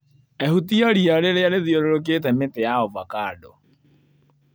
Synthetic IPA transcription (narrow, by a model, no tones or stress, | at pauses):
ɛhutiɔɾiaɾeɾeaɾeðioɾoɾok̬et̬ɛmetɛjaovakaːdɔ